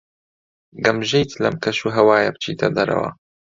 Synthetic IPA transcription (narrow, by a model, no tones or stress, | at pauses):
ɡɐmʒejt̪ʰlɐmkʰɐʃuɦɐwaːjɐb̚t͡ʃʰiːd̪ɐd̪ɐɾɐ̰wɐ̰